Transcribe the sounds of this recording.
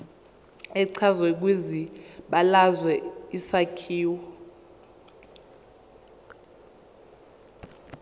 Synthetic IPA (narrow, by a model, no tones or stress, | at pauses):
ɛǀʰazwɛk̬wiziɓalazwɛisakʰiːwɔ